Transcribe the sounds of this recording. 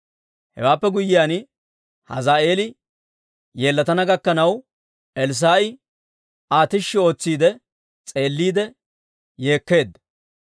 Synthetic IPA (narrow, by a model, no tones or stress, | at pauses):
hɛ̰waːpːɛɡʊjɪjaːn | hɐ̰zaːe̞ːlɪ | jeːlːɐt̪ɐnɐɡɐkːɐnɐw | ɛls̬aːʔɪ | aːt̪ɪʃːɪo̞ːt͡sːiːd̪ɛ | t͡sʼe̞ːlːiːd̪ɛ | je̞ːkːe̞ːd̪